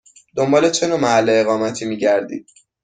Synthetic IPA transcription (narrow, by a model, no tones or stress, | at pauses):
d̪̥o̞mbɒːle̞t͡ʃʰe̞nomæhælːeːɣɒːmæt̪ʰiːmiːɟæɾd̪ḭːd̪̥̚